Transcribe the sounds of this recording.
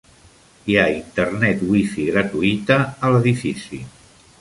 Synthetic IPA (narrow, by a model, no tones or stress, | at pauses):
iaint̪ərnɛt̪wifiɣɾət̪uit̪əələðifisi